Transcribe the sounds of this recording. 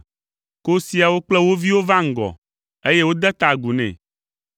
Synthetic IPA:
ko˦si˦a˨wo˦k͡plɛ˦wo˦vi˦wo˦va˦ŋ̩˨ɡɔ̰˨ | e˦je˦wo˦d̪ɛ˦t̪a˨ɡu˨nɛ̰̃˨

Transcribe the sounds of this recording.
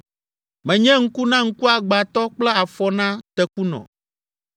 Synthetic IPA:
mɛ̃˨ɲɛ̃˦ŋ̩˦ku˦nã˦ŋ̩˦ku˦a˨ɡ͡ba˨t̪ɔ˦k͡plɛ˦a˨fɔ˦nã˦t̪ɛ˦ku˦nɔ̰̃˨

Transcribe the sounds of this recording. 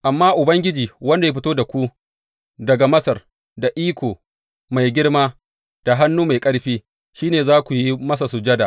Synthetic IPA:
ʔa˨mːaː˦ʔʊ˨bɐ˦ŋɡʲɪ˦d͡ʒiː˨wɐ˦nda˨je˦ɸɪ˦toː˦da˨kʷu˦ | dɐ˨ɡa˨mɐ˦sɐ˨r | da˨ʔiː˦kʷoː˨ | ma˨jɡʲɪ˦ɽmaː˦ | d̥a˨ɦa˦nːuː˦ma˨jkʼɐ˦ɽɸiː˦ | ʃiː˦neː˨zaː˦kʷu˨ji˦mɐ˦s̬a˨sʊ˨d͡ʒɐ˦da˨ʔ

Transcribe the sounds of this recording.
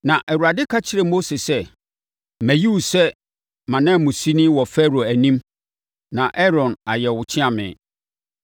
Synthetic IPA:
nã˨ʔɛ˨wu˨ɾa˨dɪ˦kʰa˦t͡ɕʰɪ˦ɾɛ˨mo˦se˨sɛ˦ | mæ̃˨ji˦wsɛ˦ | mã˨nã˦˨mʊ̃˨si˦nĩ˦wɔ˨fɛ˦ɾo˨æ˨nĩ˦m | nã˨ʔɛ˦ɾɔ̃˨na̰˨jɛ˨wʊ˨t͡ɕʰɪ̃˦ã˦˨mɪ̰̃˨

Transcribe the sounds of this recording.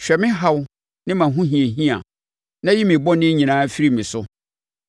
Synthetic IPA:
ɕᶣɛ˨mɪ̃˦ɦa˦w | nɪ̃˦mã˨ɦũ˦ɦĩ˨e˨ɦĩ˦ã˨ | nã˦ji˦mɪ̃˨bɔ˦nɪ̃˦ɲĩ˨nãː˨˦fi˦ɾi˦mɪ̃˨sʊ˦

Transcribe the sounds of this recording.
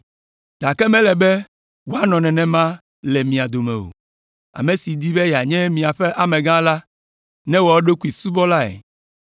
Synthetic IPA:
d̥̪a˨kɛ˦mɛ̃˦lɛ˨bɛ˦ | wo˦a˦nɔ̃˨nɛ̃˨nɛ̃˨mã˦ | lɛ˨mĩ˨a˨d̪o˨mɛ̰̃˨wo̰˨ | a̰˨mẽ˨si˨d̪i˦bɛ˦ja˨ɲɛ̃˦mĩ˨a˨ɸɛ˦ʔa˨mɛ̃˨ɡã˦la˦ | nɛ̃˦wɔ˨wo˦ɖo˦ku˦i˨su˦bɔ˦la˦ɛ̰˨

